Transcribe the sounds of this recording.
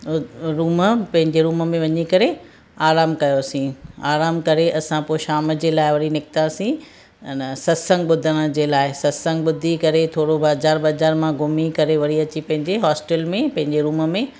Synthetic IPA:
ɾuːməpɐ̃ɦɪ̃ɲd͡ʑeɾuːməmẽʋɐɲikɐɾe | aːɾaːmkɐjosĩaːɾaːmkɐɾeʔɐsãpoːɪʃaːməd͡ʑeːlaːɪʋɐɽinɪk̚t̪asĩ | nsɐsə̃ŋɡɓʊd̪ʱəɽ̃əd͡ʑeːlaːɪsɐsə̃ŋɡɓʊd̪ʱikɐɾet̪ʰoːɽobaːzaːɾɓɐzaːɾmãɡʱʊmikɐɾeʋɐɽ̤iɐt͡ɕipɐ̃ɦɪ̃ɲd͡ʑeɦɔːsʈɛlmẽpɐ̃ɦɪ̃ɲd͡ʑeɾuːməmẽ

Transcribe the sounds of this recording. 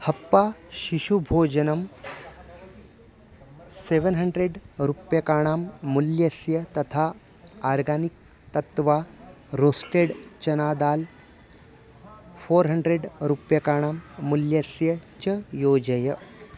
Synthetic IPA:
hɐpːaːʃiʃubʱoːd͡ʒɐnɐm | seʋənɦɐɳɖɾeɖɾupjɐkaːɳ̃aːmːuljɐsjɐt̪ɐt̪ʰaː | aːɾɡaːnik̚ | t̪ɐt̪ʋaː | ɾoːsʈeːɖt͡ʃɐnaːd̪aːl | foːɾɦɐɳɖɾeɖɾupjɐkaːɽ̃aːmːuljɐsjɐt͡ʃɐjoːd͡ʒɐjɐ

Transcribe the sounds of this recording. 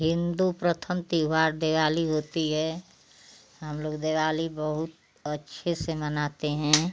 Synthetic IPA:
ɦɪ̃nd̪upɾət̪ʰəmt̪iʋaːɾd̪eːʋaːliɦoːt̪iɦɛː | ɦəmloːɡd̪eːʋaːlibəɦʊt̪̚ | ətːʃʰesemənaːt̪eɦɛ̃ː

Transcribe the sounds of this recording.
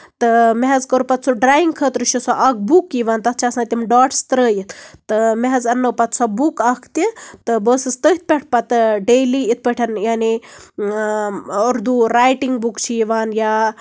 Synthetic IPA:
t̪ɨmeɦɐzkəɾpɐt̪̚sʰuɖɾaːjiŋɡkʰət̪ɾɨʃisoʔɐɡ̚bukːiʋaːnt̪ɐt̪̚ʰt͡ʃʰasãt̪ʲimɖaːʈst̪ɾəːjit̪ʰt̪ɨmeɦɐzɐnːəpɐt̪sʰɐbukɐkʰt̪it̪ɨbəːsɨst̪əɦit̪̚ʰʲpʲeʈʰpɐt̪ɨɖeːliit̪̚pəʈʰɐnjaːni | oɾd̪uɾaːjʈiŋɡbukt͡ʃʰiiʋaːnja

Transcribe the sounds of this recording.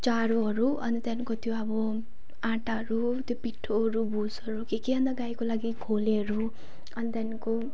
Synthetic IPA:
t͡ʃaɾoɦʌɾuʌ̰nit̪janikot̪joabʌ | ãʈaɦʌɾu | t̪jopiʈʰːoɦʌɾubʱusʌɾukekeʌnd̪aɡajkolaɡikʰoleɦʌɾu | ʌnit̪janiko

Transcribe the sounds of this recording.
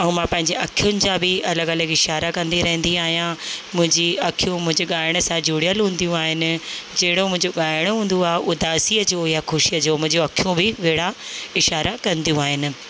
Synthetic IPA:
ɐũmãːpɐ̃ɦɪ̃ɲd͡ʑeʔɐkʰijʊnɪ̆d͡ʑãbɪɐləɡɐləɡɪʃaːɾakɐ̃nd̪iɾɐɦə̃nd̪iaːɦijãmʊ̃ɦɪ̃ɲd͡ʑiɐkʰijũmʊ̃ɦɪ̃ɲd͡ʑeɠaːɪɽ̃əsãd͡ʑuːɽijəlɦũːn̆d̪ijũaːɦɪnɪ̆d͡ʑɐɦɪɽomʊ̃ɦɪ̃ɲd͡ʑoɠaːɪɽ̃ɦũːn̆d̪uaːɦeʔʊd̪aːsiəd͡ʑojaxʊʃijəd͡ʑoːmʊ̃ɦɪ̃ɲd͡ʑoɐkʰijũbɪʋeːɽaɪʃaːɾakɐ̃nd̪ijũaːɦɪnɪ̆

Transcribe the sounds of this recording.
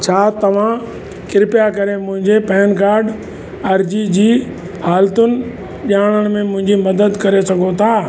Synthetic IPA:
t͡ɕʰaːt̪ɐʋ̤ã | kɪɾɪpjakɐɾemʊ̃ɦɪ̃ɲd͡ʑepɛːnkaːɾɖ | ɐɾd͡ʑid͡ʑiː | haːlt̪ʊnɪ̆ | ʄaːɽ̃əɽ̃mẽmʊ̃ɦɪ̃ɲd͡ʑimɐd̪əd̪kɐɾesɐɡʱot̪ʰaː

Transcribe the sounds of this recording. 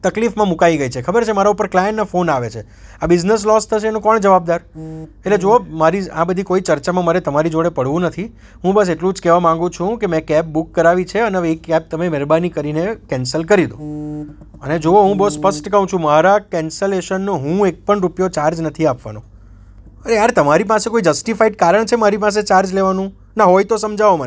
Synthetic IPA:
t̪əklifmãmũkaiɡəit͡ʃʰekʰəbəɾt͡ʃʰemaɾaupəɾklajẽɳʈnafonaʋet͡ʃʰe | abɪd͡ʒnes̬lɔst̪ʰəʃeenũkɔɳd͡ʒəʋab̚d̪aɾeʈled͡ʒoomaɾiã̰bəd̪ʱikoit͡ʃəɾt͡ʃamãməɾet̪əmaɾid͡ʒoɽepəɽʋũnət̪ʰi | ɦũbəs̬eʈlũd͡ʒkɛʋamãŋɡũt͡ʃʰũkemɛ̃kɛp̚bukːəɾaʋit͡ʃʰeəneəʋeːkːɛp̚t̪əmemɛɾbanikəɾinekɛnsəlkəɾid̪ṵ̃ | əned͡ʒooɦũbəspəsʈkəɦũt͡ʃʰũmaɾakɛnsəleʃənːoɦũek̚pəɳɾupjot͡ʃaɾd͡ʒnət̪ʰiapʋa̰no̰ | əɾeaɾt̪əmaɾip̬asekoid͡ʒəsʈifaiɖ̚kaɾəɳt͡ʃʰemaɾipas̬et͡ʃaɾd͡ʒleʋanũ | naɦojt̪osəmd͡ʒʱaʋoma

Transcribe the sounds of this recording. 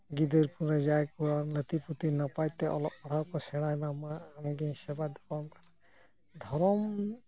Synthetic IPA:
ɡid̪əɾpʰuɾɛzajkuɾalət̪iput̪inapajt̪ɛʔɔ̰lɔɔɾawkɔsɛɽ̃ajmamaanɡisɛbad̪ɔkɔmk | d̪ʱɔɾɔm

